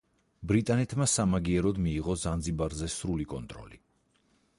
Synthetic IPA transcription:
bɾit̪ʼanɛt̪ʰmasamaɡiɛɾɔd̪miːʁɔzand̪zibaɾzɛsɾulikʼɔnt̪ʼɾɔ̰li

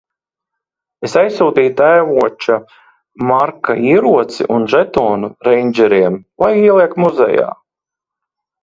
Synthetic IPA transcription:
esajsuːd̪iːt̪æjvuɔt͡ʃa | maɾkaiːɾuɔt̪sḭʔunʒɛt̪ɔːnuɾɛjnʲd͡ʒɛɾiɛmlˠajiɛlˠiɛkmuzɛ̰ja̰ː

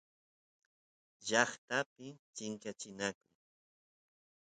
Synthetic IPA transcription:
ʎɑχt̪apɪt͡ʃɪŋkat͡ʃɪnakʊŋ

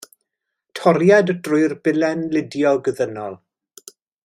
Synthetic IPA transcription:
tʰɔɾjadəd̥rʊjrbɪlɛnlɪdjɔɡəðənɔlˠ

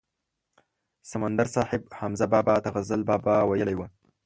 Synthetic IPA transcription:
samand̪aɾsɑhɪb̚hamzabɑːbɑt̪aɣazəlbɑbɑwajəlajwə

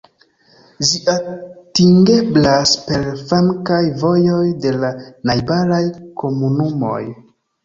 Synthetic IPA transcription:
ʒiʔatiŋɡe̞blaspe̞ɾfaŋkajvo̞jo̞jde̞lanajbalajko̞munumo̞̰j

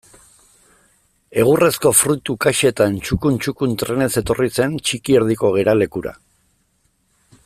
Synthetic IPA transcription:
e̞ɣ̞ure̞sko̞fɾut̪ukaʃet̪aent͡ʃukunt͡ʃukunt̪ɾe̞ne̞se̞t̪o̞rise̞nt͡ʃikie̞ɾð̞iko̞ɣ̞e̞ɾale̞kuɾa̰

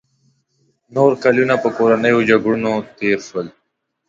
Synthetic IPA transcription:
noːɾkaljunapəkoːɾanəjod͡ʒaɡɾunot̪eːɾʃwəl

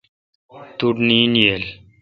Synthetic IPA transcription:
t̪uɖniniel

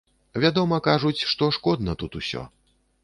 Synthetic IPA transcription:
vʲad̪ɔmɐkaʐut͡sʲʂt̪ɔʂkɔd̪nɐt̪ut̪usʲɔ̰

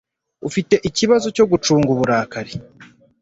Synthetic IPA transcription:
ufite̞ʔiciβazo̞co̞ɡut͡ʃuːŋɡuβuɾaːkaɾi

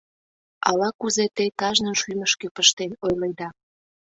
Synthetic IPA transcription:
ɑ̰lɑkuzet̪et̪ɑʒnənʃyməʃkøpəʃt̪enojləjd̪ɑ

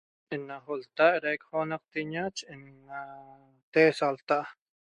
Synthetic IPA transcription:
inːaχolt̪aʔɾeʔkχonaq̚t̪iɲat͡ʃinːa | t̪eːsalt̪aʔ

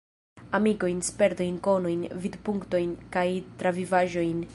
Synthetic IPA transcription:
amiko̞jnspe̞ɾt̪o̞jnko̞nojnvid̪puŋkto̞jnkajt̪ɾavivaʒo̞jn

